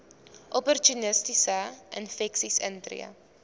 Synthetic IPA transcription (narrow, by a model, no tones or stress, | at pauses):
ʔɔpɔrtunəstisəʔə̰nfɛksisəntrḭə̰